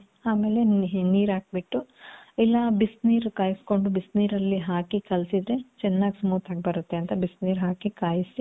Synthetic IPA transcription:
aːme̞ːle̞niːɾaːɡ̚biʈːuɛlːɐbisniːɾkaːjisko̞ɳɖubisniːɾɐlːiɦaːkikɐlsid̪ɾe̞t͡ʃɛnːaːɡisɐmuːt̪aːɡ̚bɐɾut̪ːe̞ɐnt̪ɐbisniːɾɦaːkikaːjisi

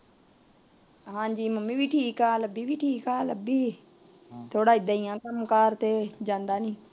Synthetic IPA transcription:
ɦãːd͡ʒiːməmiːbiːʈʰiːkaːləbiːbiːʈʰiːkaːləbiː | t̪ʰoːɽaːɪd̪aːiːãːkəmkaːɾt̪eːd͡ʒãːnd̪aːnĩː

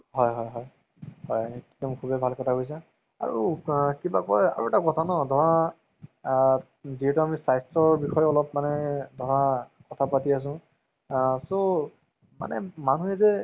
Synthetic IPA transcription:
hɔjɦɔjɦɔj | hɔjikdɔmkʰubɛbʱalkɔtʰakojs̬a | a̰ɹṵkibakɔja̰ɹuɛtakɔtʰanɔdʱɔɹa | ziɦɛtuamisajstɔɹbixɔjɔlɔpmanɛdʱɔɹa | kɔtʰapatias̬ʊ̃ | so | ma̰nɛ̰manuɛzɛ

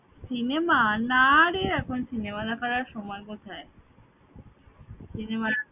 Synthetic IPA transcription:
sinemanaɾeɾɛkʰonsinemad̪ɛkʰaɾaɾʃɔmɔekot̪ʰae | sinema

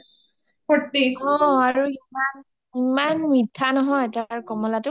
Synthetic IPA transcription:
pɔtːiɔ̃aɹuiman | imanmidʱːanɔɦɔjtaɹkɔmɔlatʊ

